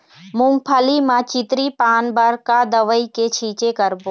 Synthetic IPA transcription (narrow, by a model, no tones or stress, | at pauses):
mʊ̃mpʰəlimãt͡ʃɪt̪ɾipaːnbəɾkad̪əʋəiket͡ʃʰiːt͡ʃekəɾbo